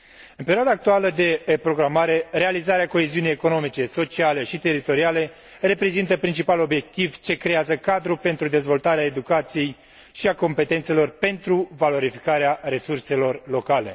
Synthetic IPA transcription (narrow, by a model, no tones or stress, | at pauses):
ɨnpe̞ɾioad̪aːk̚t̪ualəd̪e̞pɾo̞ɡɾamaɾe̞ɾe̞alizaɾeako̞e̞ziunijeko̞no̞mit͡ʃe̞so̞t͡ʃiale̞ʃit̪e̞ɾit̪o̞ɾiale̞ | re̞pɾe̞zint̪əpɾint͡ʃipalo̞bje̞k̚t̪ivt͡ʃe̞kɾe̞azəkad̪ɾupe̞nt̪ɾud̪e̞zvo̞lt̪aɾeae̞d̪ukat̪sije̞j | ʃiako̞mpe̞t̪ent̪selo̞rpe̞nt̪ɾuvalo̞ɾifikaɾeaɾe̞surse̞lo̞rlo̞kale̞̰